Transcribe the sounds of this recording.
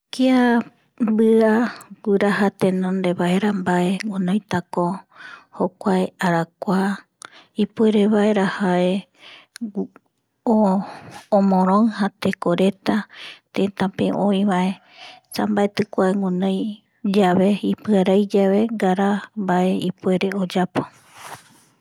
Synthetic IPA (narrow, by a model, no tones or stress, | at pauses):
kia | bɨaɡuɾaɦat̪ẽnõnd̪e̞βaeɾambae̞ŋonõjt̪akohokʷaeaɾakʷa | ipueɾeβaeɾahae | õː | mõɾ̃õɨhat̪ekoɾe̞t̪at̪ẽt̪ãpeʔõĩβaʔe̞ | sambaet̪ɨkʷaeŋunõj | d͡ʒaβe̞ipɨaɾajd͡ʒaβe̞ɡaɾambaʔe̞ipue̞ɾe̞od͡ʒapo̥